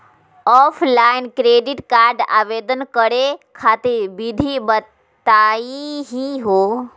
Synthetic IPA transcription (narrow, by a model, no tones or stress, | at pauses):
ɔːpʰlaːɪnkɾeːɖiʈkaːɾɖa̰ːʋeːd̪ənkəɽekʰaːt̪iɾbid̪ʱibət̪aːiɦiɦoː